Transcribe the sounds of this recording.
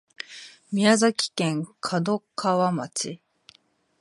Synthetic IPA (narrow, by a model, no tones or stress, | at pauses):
mʲiazakʲi̥kẽ̞ŋkʰad̪o̞kʰaβamat͡ɕi